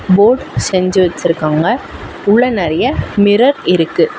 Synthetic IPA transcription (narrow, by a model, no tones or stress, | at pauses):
boːɖsɛɲd͡ʒɯʋɐt͡ʃːɪɾɯkːaːŋɡɐ | ʊɭːɐnɐɾɐjɐmɪɾɐɾɪɾɯkːɯ